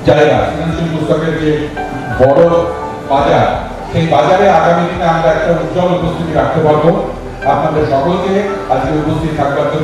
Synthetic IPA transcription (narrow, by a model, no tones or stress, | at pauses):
d͡ʑaeɡa̰finansilbusɔkeɾd͡ʑe | bɔɽo | bad͡ʑaɾ | ʃejbad͡ʑaɾeaɡamid̪ineamɾaɛk̚ʈaud̪d͡ʑɔlupost̪ʰit̪iɾak̚t̪epaɾbo | apnad̪eɾʃɔkolkead͡ʑkeupost̪ʰit̪it̪ʰakbaɾd͡ʑo